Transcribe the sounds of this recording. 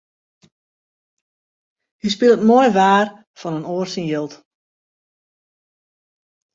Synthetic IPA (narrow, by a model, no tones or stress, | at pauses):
hispɪlˠətmojʋaːr | fɔnənoːrsənjəlˠt